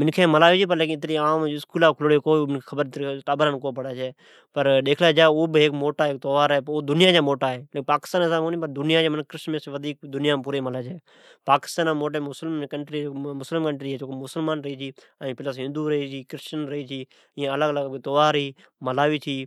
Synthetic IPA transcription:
mɪnkʰẽːməlaːʋiːt͡ʃʰiːpəɾleːkɪ̃ɪt̪̬nĩːaːmɪskuːlaːkʰʊlːɽekoːmɪnkʰeːxʰəbəɾt̪ɾiʈaːbəɾəːnkoːpəɽaːt͡ʃʰeː | pəɾɗ̪eːkʰlaːd͡ʒaːoːbɦeːkmoːʈaːɦeːk̚t̪oʋaːɾɦɛːpoːd̪ʊnɪjaːd͡ʒaːmoːʈaːɦɛːlepaːkɪ̥st̪aːnːsaːmoːnĩːpəɾd̪ʊnɪjãːd͡ʒaːmənkɾɪʃnmẽsʋəd̪ʱiːk̚d̪ʊnɪjãːp̬uːɾeːməlaːt͡ʃʰeː | paːkɪ̥st̪aːnaːmoːʈ̬aːmʊslmkəɳʈɾiːmʊslɪmkəɳʈɾiːɦɛːt͡ʃoːkomʊsəlmaːnɾəɦiːt͡ʃʰiː | ə̃pɪləsɦɪ̃nd̪uːɾəɦiːt͡ʃʰiːkɾɪʃt͡ʃənɾəɦiːt͡ʃʰiː | ɪjãːələɡələɡt̪oʋaːɾɦiː | məlaːʋiːt͡ʃʰiː

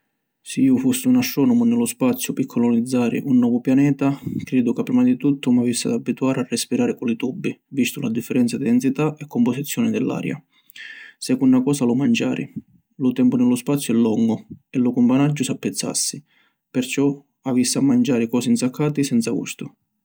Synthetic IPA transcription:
siiːʊfusːiunaʃːɔnʊmʊnɪlːʊspat̪sːjʊpikʰːɔlɔnid̪zːaːɾɪ̰ʔunːɔːvʊpjanɛːt̪akɾɛːd̪ʊkapːɾimad̪it̪ut̪ʰːʊmavisːɪa̰d̪abːit̪uaːɾɪarːespiɾaːɾɪkɔlit̪ubːivist̪ʊlad̪ifːɛɾɛnt̪sad̪id̪ɛnsit̪aɛkːʊmpɔsit̪sːjɔːnɪd̪ɪlːa̰ːɾja̰ | sɛkːunːakɔːsalʊmand͡ʒaːɾɪ̰ | lʊt̪ɛmpʊnɪlːʊspat̪sːjʊɛlːɔŋːʊɛlʊkʊmpanad͡ʒːʊsapːɛt̪sːa̰sːi | pɪrt͡ʃɔ | avisːɪamːand͡ʒaːɾɪkɔːsint̪sakʰːaːt̪isɛnt̪saɡṵst̪ʊ

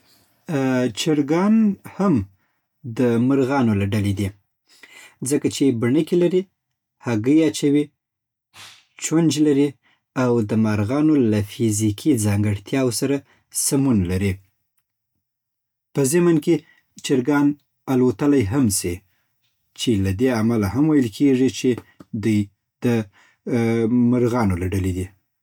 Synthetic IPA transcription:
t͡ʃɪɾɡɑnham | d̪əmaɾɣɑnolaɖaled̪i | d͡zəkat͡ʃebaɳəkilaɾi | haɡəjat͡ʃawi | t͡ʃwand͡ʒlaɾi | awd̪əmaɾɣɑnolafizikʰid͡zɑŋɡəɽt̪ʰjɑwosaɾa | samunlaɾi | pəzɪmanke | t͡ʃɪɾɡɑn | alot̪əlajɦamsi | t͡ʃelad̪eamalaɦamwajəlkʰeʐit͡ʃed̪uj | d̪̥ə | maɾɣɑnolaɖalid̪i

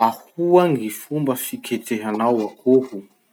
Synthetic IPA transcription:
ahuaŋifumbəfikʰeteɦanawakʰoɦu

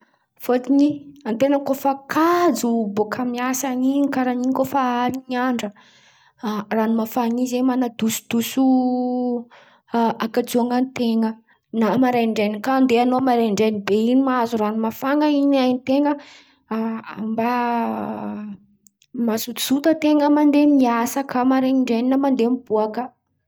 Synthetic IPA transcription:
fot̪iniant̪enəkofakʰad͡zubokʰamiasaninikaɾaniɲkofaaɾinaɳɖ͡ʐə | ranimafanizemanad̪usu̥d̪̥usu | akad͡zuaŋant̪eŋə | namaɾaɳɖ͡ʐenikand̪eanomaɾeɳɖ͡ʐenibeinimazuranimafaŋəinajnit̪eŋə | amba | masut̪i̥sut̪ət̪eŋəmand̪emiasakəmaɾeiɳɖ͡ʐeninəmand̪emibuakə

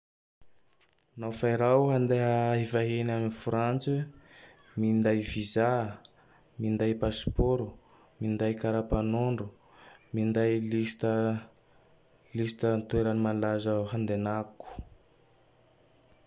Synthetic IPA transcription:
nafajɾawɦand̪eɦəivaɦenamnifuɾant͡si | mind̪ajviza | mind̪ajpaspoɾu | mind̪ajkaɾapanoɳɖ͡ʐu | mind̪ajlit̪ | lisi̥t̪ənt̪ueɾənimanlazəɦand̪enaku̥

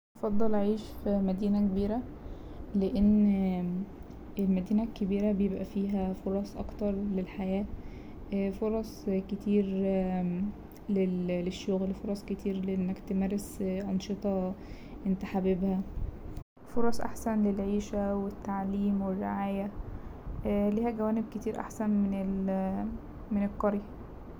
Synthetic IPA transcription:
ʔɑfɑd̪ˤːɑlʕiːʃfimæd̪iːnækebiːɾæ | leʔenː | ʔelmæd̪iːnækːebiːɾæbejebʔæfiːɦæfoɾˤɑsˤʔɑ̰kt̪ɑɾˤlelħajæː | foɾˤɑsˤket̪iːɾ | leleʃːoɣlfoɾˤɑsˤket̪ʰiːɾleʔenːækt̪emæːɾesʔɑnʃet̪ˤɑ | ʔent̪aħabebhæ | foɾˤɑsˤʔa̰ħsænlelʕiːʃæwet̪ːaʕliːmwerːeʕaːjæ | liːhæɡæwæːneb̚ket̪iːɾʔa̰ħsænmenel | menelqːɑɾjæ

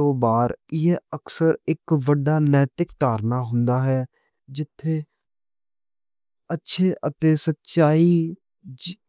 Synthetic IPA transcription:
õːbaːɾjeəksəɾɪkʋəɖːaːnɛːt̪ɪkʈaːɾnaːɦʊnd̪aːɦɛː | d͡ʒɪt̪ʰːeː | ətːʃʰeːʔət̪eːsətːʃaːiː

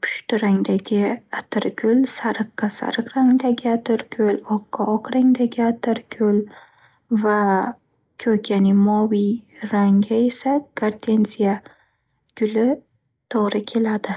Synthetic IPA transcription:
pʰʊ̥ʃt̪ʰʊɾaŋd̪aɡʲɪat̪ʰɪɾɡʲʊlsaɾɨqːɑsa̰ɾɨqɾaŋd̪aɡʲɪat̪ʰɪɾkʲʰɵlɒqʰːɑɒqɾaŋd̪aɡʲɪat̪ʰɪɾkʲʰɵl | va | kʲʰɵkʲʰanɪmɒwijɾaŋɡʲaesaɡ̥aɾt̪ʰe̞nsija | ɡ̥ʲʊlɪ | t̪ʰɒʁɾɪkʲʰe̞lad̪ɪ

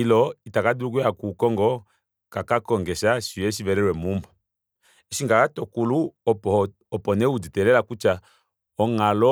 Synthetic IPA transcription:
ilɔitakaduɾuk̬wakukɔŋɡɔ | kakakɔŋɡɛʃaʃijɛʃ̬ivɛɾɛɾwɛmumbɔ | ɛʃiŋɡakatɔkulu | ɔpɔnɛud͡zitɛlɛlakut͡ʃa | ɔŋalɔ

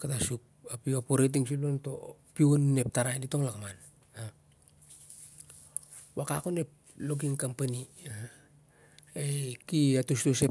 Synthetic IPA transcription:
katasuk̚apiopoɾet̬iŋsionto̞̰pionːe̞p̚taɾandito̞ŋlakman | a | waka̰kone̞p̚ | loɡ̬iŋkampani | ekiatustose

